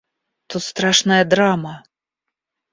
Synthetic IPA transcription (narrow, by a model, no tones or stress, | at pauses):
t̪ut̪st̪ɾaʂnɐjɐd̪ɾamɐ